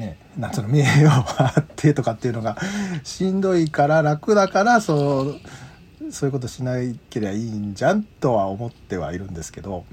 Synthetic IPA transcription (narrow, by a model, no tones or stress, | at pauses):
ne̞ | nat͡sɨnomiejoːβat̪ʰːe̞t̪o̞kat̪ːeiɯ̟no̞ɡaɕĩnd̪o̞ikaɾaɾakɯ̟d̪akaɾaso | soːjɯ̟ko̞t̪oɕinaike̞ɾebaiɲd͡ʑãnt̪o̞βaomo̞t̪ːe̞βa̰iɾɯ̟̃nd̪e̞sɨ̥ke̞d̪o̞